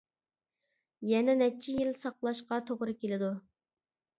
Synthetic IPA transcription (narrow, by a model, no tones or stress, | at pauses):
jɛnɛnɛt͡ʃʰijilsɑqlˠɑʃqɑt̪ʰoʁɾɨkʲelɪd̪u